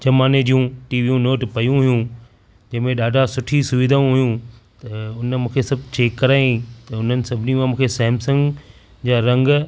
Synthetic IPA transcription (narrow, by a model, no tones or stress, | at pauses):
d͡ʑɐmaːned͡ʑijũʈiːʋijũnoːʈpɐjũɦʊjũ | d͡ʑɐ̃ɦɪ̃mẽɗaːɖʱasʊʈʰisʊʋid̪ʱaũɦʊjũt̪ɐʊnmũːkʰesɐbʱt͡ɕeːkːɐɾaːĩt̪ɐʊn̤ənɪ̆sɐbʱɪnimãmũːkʰesɐɦɪmsə̃ŋɡ | d͡ʑaːɾɐ̃ŋɡ